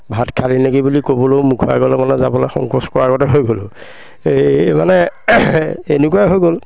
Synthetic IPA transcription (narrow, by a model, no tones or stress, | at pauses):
bʱatkʰalinekibulikobɔlowmukʰɔa̰ɡɔlɔmanɛzabɔlaxɔ̰ŋkɔskɔɹaɡɔtɛɦojɡolʊ | emanɛ | enukuaɦojɡol